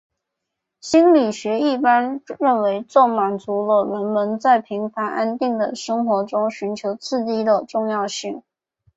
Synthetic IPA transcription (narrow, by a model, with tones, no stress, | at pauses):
ɕi˥nli˨˩ɕɥɛ˧˥i˥˩pa˥nɻə˥˩nwe˧˥ɪt͡sɔ˥˩ʊma˨˩nt͡su˧˥lə˧wə˧˥nmə˧˥nt͡sa˥˩ɪpʰi˧˥ŋfa˧˥nʔa˥nt̪i˥˩ŋd̪ə˩ʂɤ˥ŋxwɔ˧˥ʈ͡ʂʊ˥ŋɕy˧˥nt͡ɕʰjo˧˥ʊt͡sʰɹ̩˥˧˩t͡ɕi˥d̪ə˨ʈ͡ʂʊ˥˧ŋjɑ˥˧ʊɕi˥˩ŋ